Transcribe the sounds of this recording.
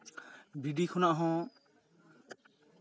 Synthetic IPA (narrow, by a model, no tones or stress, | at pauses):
biɖikʰɔnaʔɦɔ̃